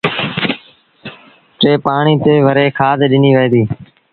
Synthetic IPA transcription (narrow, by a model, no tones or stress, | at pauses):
ʈeːpaːɳiːt̪eːʋəɾeːkʰaːd̪eːɗɪniːʋeːd̪iː